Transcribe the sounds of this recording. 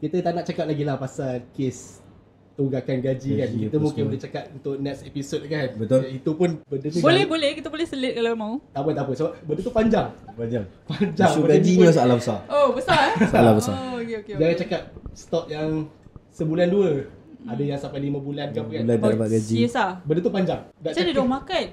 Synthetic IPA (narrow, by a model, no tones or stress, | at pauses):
kit̪ət̪aʔnaʔ̚t͡ʃakap̚laɡilahpasalkes | t̪uɡakanɡad͡ʒikankit̪əmũkɪnbolht͡ʃakat̚unt̪ʊʔ̚nɛksepisot̚kanbət̪olit̪upʊnbədət̪ubolɛhbolɛhkit̪əbolɛhsəlɪt̪̚kalomaut̪apənt̪ap̬ənsəbap̚bəndət̪upaɲd͡ʒaŋpad͡ʒaŋpaɲd͡ʒaŋuɡad͡ʒiniasaalabəsaobəsasalabəsa̰okeoked͡ʒaŋat͡ʃakap̚st̪ɔp̚jaŋsəbulanduəadəjaŋsampajlimə̃bulankapkaladabaʔɡad͡ʒisabəndət̪up̬aɲd͡ʒaŋdaʔsadidmakan